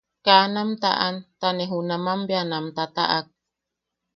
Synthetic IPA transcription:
kanamt̪a̰ʔant̪aneɦunamambjanamt̪at̪a̰ʔak̚

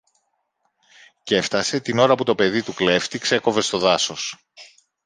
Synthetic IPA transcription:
ce̞ft̪ɐse̞t̪ino̞ɾɐput̪ope̞ðit̪ukle̞ft̪ikse̞ko̞ve̞st̪o̞ðɐso̞s

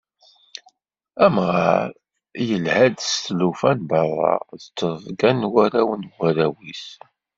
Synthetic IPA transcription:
æmʁɑɾ | jəlhæd̪st̪lufænbɑrˤːɑ̰ðət͡sːəðˤvɡænwæɾæwənwæɾæwis

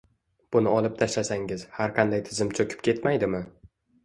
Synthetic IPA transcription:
b̥ʊnɪɒlˠɪp̚t̪ʰaʃlasaŋɪz̥haɾqʰɑnd̪ajt̪ʰɪzɪmt͡ʃʰɵkʲʰɪ̥p̚kʲʰe̞t̪majd̪ɪmɪ

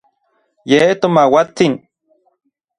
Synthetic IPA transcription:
jet̪omawat͡sin

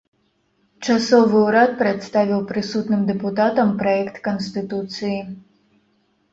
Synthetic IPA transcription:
t͡ʂasɔvɨuɾat̪̚pɾɛt̪st̪avʲiwpɾɨsut̪nɨmd̪ɛput̪at̪ɐmpɾɐɛkt̪kɐnst̪ɨt̪ut̪sɨji

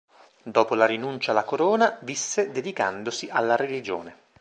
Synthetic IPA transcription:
d̪ɔːpolaɾinunt͡ʃalakoɾoːnavisːed̪ed̪ika̰nd̪osiʔalːaɾelid͡ʒo̰ːne

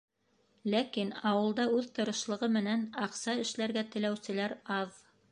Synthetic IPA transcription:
lækinɑwɤ̆lˠd̪ɑʉðt̪ɤ̆ɾɤ̆ʃlˠɤ̆ʁɤmɘ̆nænɑqsɑɘ̆ʃlæɾɡæt̪ɘ̆læwsɘ̆læɾɑð

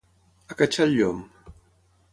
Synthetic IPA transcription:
akat͡ʃaʎom

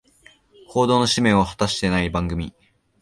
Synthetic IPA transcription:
ho̞ːd̪oːno̞ɕimẽ̞ɰ̃ohḁt̪aɕi̥t̪e̞naibãŋɡɯ̟mʲi

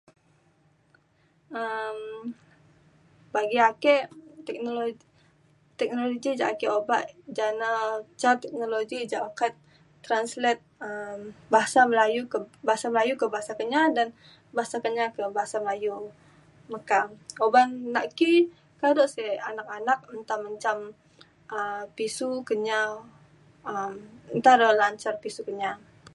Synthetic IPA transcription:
əm | baɡiakɛʔt̪ɛk̚nolo | t̪ɛk̚noloɡid͡ʒaʔkɛʔobaʔd͡ʒanat͡ʃart̪ɛk̚noloɡid͡ʒaʔakat̪̚ | t̪ːɾanslɛt̪̚əmbaɦasaməlajukəbaɦasaməlajukəbaɦasakəɲadan | baɦasakəɲakəbaɦasaməlaju | makaobannaʔki | kadoʔsɛanak̚anak̚mənt̪aməɲt͡ʃam | əpisukəɲa | əmənt̪aɾəlaɲt͡ʃarpisukəɲa

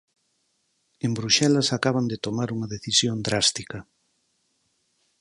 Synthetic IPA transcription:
embɾuʃɛlɐsakaβɐnd̪et̪omaɾuŋɐðeθisjond̪ɾast̪ikɐ

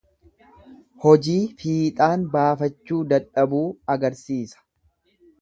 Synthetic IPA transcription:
hɔd͡ʒiːfiːt̪ʼaːnbaːfɐt͡ʃːuːd̪ɐᶑɐbuːɐɡɐɾsiːsɐ̥

